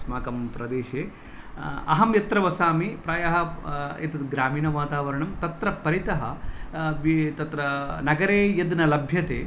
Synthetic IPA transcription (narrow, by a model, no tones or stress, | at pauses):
smaːkɐmpɾɐd̪eːʃeː | ɐ̰ɦɐmjɐt̪ɾɐʋɐsaːmipɾɐːjɐɦɐḛt̪ɐd̪ɡɾaːmiːnɐʋaːt̪aːʋɐɾɐɳɐmt̪ɐt̪ɾɐpɐɾit̪ɐɦɐʋit̪ɐt̪ɾɐnɐɡɐɾeːjɐd̪nɐlɐbʱjɐt̪ḛː